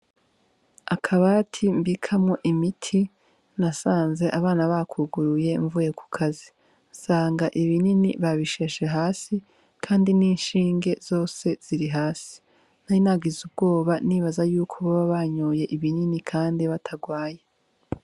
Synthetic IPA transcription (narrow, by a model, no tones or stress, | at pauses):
akʰaβaatʰimbikʰamŋo̞ʔimitʰi | nasaːnze̞ʔaβaːnaβakʰuɡuɾuje̞ɱvuje̞kʰu̥kʰazi | saːŋɡaʔiβininḭβaβiʃe̞ʃe̞ɦaːsi | kʰaːndiniːnʃiːŋɡe̞z̥o̞ːse̞z̥iɾiɦaːsi̥ | nainaɡizub̚ɡo̞ːβaniβazajuːkʰoβaβaβaɲoːje̞ʔiβininikʰaːndiβatʰaɡwaːje